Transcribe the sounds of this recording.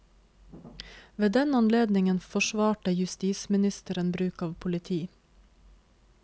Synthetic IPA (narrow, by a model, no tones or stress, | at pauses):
ʋeːd̪ɛnɑnleːd̪nɪŋənfɔʃʋɑːʈəjʉst̪iːsmɪnɪst̪əɾənbɾʉːkɑːʋpʰʊlɪt̪ʰiː